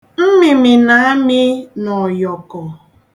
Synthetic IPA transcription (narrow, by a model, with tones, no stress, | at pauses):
m̩˦mɪ˨mɪ˨na˨a˦mɪ˦nɔ˨jɔ˨kɔ˨